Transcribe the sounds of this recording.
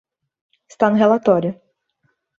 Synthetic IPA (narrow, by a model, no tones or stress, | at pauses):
ɪ̥st̪anʊɦelat̪ɔɾʲjʊ